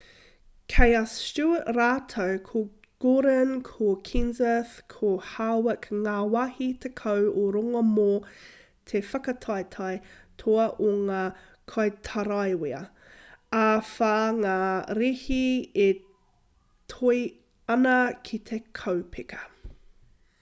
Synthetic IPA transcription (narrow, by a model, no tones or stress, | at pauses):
kʰejɐst͡ʃuəʔɾaːtʰowkʰo | ɡ̥oɾənkʰokʰinzəθkʰohawəkŋaːwahitʰekʰɐwoɾoŋɐmoː | tʰefɐkɐtʰɑjtʰɑjtʰoɐʔoŋaː | kʰɑjtʰɐɾɑjwiɐ | afaːŋaːɾihie | tʰoi | ɐnɐkʰit̪ʰekʰɐwpʰekʰɐ̥